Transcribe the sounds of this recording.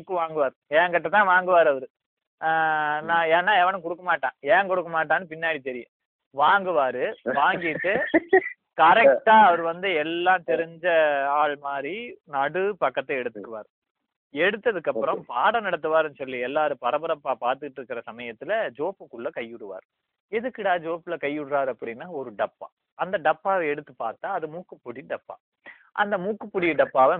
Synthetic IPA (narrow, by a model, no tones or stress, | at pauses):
kːɯʋaːŋɡɯʋaːɾɯɛːŋɡɐʈːɐt̪ãːʋaːŋɡɯʋaːɾɯɐʋɐɾɯ | nãːɛːnːaːɛʋɐɳɯ̃kɔɽɯkːɐmaːʈːãːɛːŋkɔɽɯkːɐmaːʈ̬ːaːnːɯpɪnːaːɽit̪ɛɾɪjʊ̰̃ | ʋaːŋɡɯʋaːɾɯʋaːŋɡɪʈːɯ | kɐɾɛk̚ʈaːɐʋɐɾɯʋɐnd̪ɯɛlːãːt̪ɛɾɪɲd͡ʒɐaːɭmaːd̪ɾinɐɽɯpɐkːɐt̪ːɐɛɽɯt̪ːɯkːɯʋa̰ːɾɯ | ɛɽɯt̪ːɐðɯkːɐpːɯɾɐ̃mpaːɽɐnɐɽɐt̪̬ːɯʋaːɾɛnːɯsɔlːiɛlːaːɾɯpɐɾɐbɐɾɐpːaːpaːɾt̪ɯkɪʈːɪɾɯkːɪɾɐsɐmɐjɐt̪ːɪlɐd͡ʒoːpːɯkːɯɭːɐkɐjːʊɽɯʋa̰ːɾɯ | ɛðɯkːɪɽaːd͡ʒoːpːɯlɐkɐjːʊɽɯɾaːɾɯɐpːɐɽɪnːaːɔɾɯɖɐpːa̰ː | ɐnd̪ɐɖɐpːaːʋɐ̃ɛɽɯt̪ːɯpaːɾt̪ːaːɐðɯmuːkːɯpːʊɽiɖɐpːa̰ː | ʔɐ̰nd̪ɐmuːkːɯpːʊɽiɖɐpːaːʋɐ̃